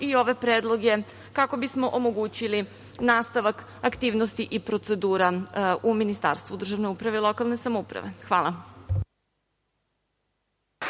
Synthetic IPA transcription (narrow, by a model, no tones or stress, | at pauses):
io̞ʋe̞pɾeːd̪lˠo̞ɡe̞ | kako̞bismo̞ʔomo̞ɡuːt͡ɕili | naːst̪aʋak | akt̪iːʋnost̪iʔipɾo̞t̪se̞d̪uːɾauminist̪a̰ːɾst̪vʋud̪r̩ʒaʋne̞upɾaʋe̞ilˠo̞kalˠne̞samoupɾa̰ʋe̞xʋaːlˠa